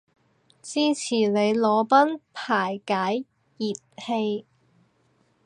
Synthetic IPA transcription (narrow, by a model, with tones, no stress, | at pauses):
t͡siː˥t͡sʰiː˨˩le˨˧jlɔː˨˧pɐ˥npʰaː˨˩jkaː˨˥j | jiː˨t̚he˧j